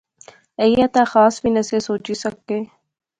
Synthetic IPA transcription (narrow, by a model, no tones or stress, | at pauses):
ejat̪axaːsbinɐsesoːt͡ʃisɐkːeː